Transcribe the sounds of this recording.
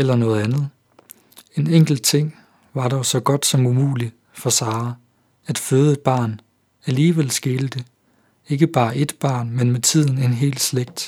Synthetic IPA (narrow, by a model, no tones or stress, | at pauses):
elɐnɔ̽ːð̞̩ˠænð̞̩ˠ | e̝neŋ̰ɡ̥l̩d̥̚t͡sʰe̝ŋ̰ | ʋɑ̈ɾɒʊsɒ̽ɡ̥ɒ̽d̥sɒ̽mumṵːli | fɒ̽sɑ̈ː | æd̥føːð̩ˠed̥̚b̥ɑ̈ːn | æliːʋel̰sɡ̥e̝ːləd̥ə | e̝ɡ̥əb̥ɑ̈ːʔe̝d̥b̥ɑ̰̈ːnmenmet͡sʰið̰ˠn̩e̝nɦe̝̰ːld̥sleɡ̥̚d̥